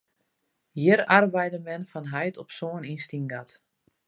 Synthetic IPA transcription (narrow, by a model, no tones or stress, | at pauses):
jɪɾarbɛjdəmɛnfanɦajtʰɔpsoəninstinɡat